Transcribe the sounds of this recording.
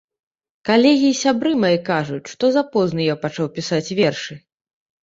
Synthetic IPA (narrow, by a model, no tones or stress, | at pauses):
kalʲɛɣʲiːsʲabɾɨmajɛkaʐut͡sʲʂt̪ɔzapɔznɨjapat͡ʂawpʲisat͡sʲvʲɛrʂɨ